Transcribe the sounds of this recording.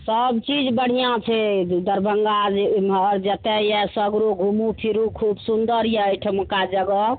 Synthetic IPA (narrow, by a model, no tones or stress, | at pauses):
səbt͡ʃid͡ʒbəɽ̤ijãt͡ʃʰɛd̪əɾbʱəŋɡad͡ʒmɔɾd͡ʒət̪ɛjɛsəɡɾoɡʱumupʰiɾukʰubsund̪əɾjɛəjʈʰəmukad͡ʒəɡɔ